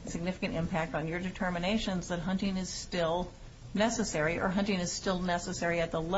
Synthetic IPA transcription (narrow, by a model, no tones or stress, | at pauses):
sɨɡ̚nɪfəkɨ̃ñtɪ̰̃mpʰæk̚tn̩jə˞dɨtʰɜ˞mɨneɪʃɨ̃nzðɨt̚ɦʌ̃ntɪ̃ŋɨz̥stɪlˠ | nɛsɨsɛɹiʔə̰˞ɦʌ̃ntɪ̃ŋɨz̥stɪlˠnɛsəsɛɹiɨt̪̚ðəl